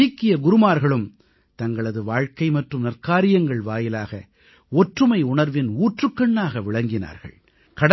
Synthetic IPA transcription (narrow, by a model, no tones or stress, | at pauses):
ikːɪjɐɡʊɾɯmaːɾɣɐɭɯm | t̪ɐŋɡɐɭɐðɯʋaːɻkɐɪmɐʈrɯmnɐrkaːɾɪjɐŋɡɐɭʋaːjɪlaːɣɐ | ɔʈrɯmɐɪʊɳɐɾʋɪnuːʈrɯkːɐɳːaːɣɐʋɪɭɐŋɡɪna̰ːɾɣɐ̰ɭ | kɐɽɐ